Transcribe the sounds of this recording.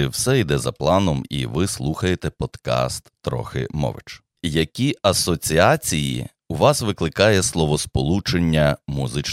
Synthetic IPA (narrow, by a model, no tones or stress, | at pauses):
wsɛid̪ɛzɐ̰plˠɑnɔmḭʋɪslˠuxɐjet̪ɛpɔd̪̥kɑ̰st̪ːɾɔ̰xɪ̰mɔ̰ʋɪ̰t͡ʃ | jɐkʲiɐsɔt͡sʲiɑt͡sʲijḭ | ʊʋɑsʋɪklˠɪkɑjɛslˠɔʋɔspɔlˠut͡ʃenʲːɐmuzɪt͡ʃ